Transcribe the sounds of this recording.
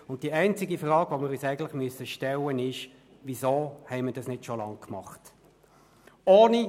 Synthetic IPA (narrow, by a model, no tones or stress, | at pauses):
ʊnt̚d̥iəɛɪnt͡sɪɡifʁɑːɡ̥ʋomɪːɾyːsæɪɡən̩tlɪχmyəsəʃtɛlənɪʃ | ʋizoːhɛɪməd̥ɑsnɪtʃolɑŋkʰmɑχt | oːni